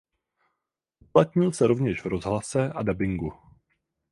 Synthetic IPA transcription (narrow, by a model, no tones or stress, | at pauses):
ʔʔuplat̪ɲɪlsɛɾo̞vɲɛʃvɾo̞zɦlasɛʔadabɪŋɡu